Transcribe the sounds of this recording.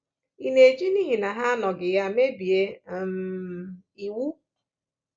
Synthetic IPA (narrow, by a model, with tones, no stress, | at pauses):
i˦ne˨d͡ʒi˦ni˦ɦi˨na˨ɦa˦a˦nɔ˨ɡɪ˨ja˦me˦bi˨e˦˨m̩˨ | i˨wu˦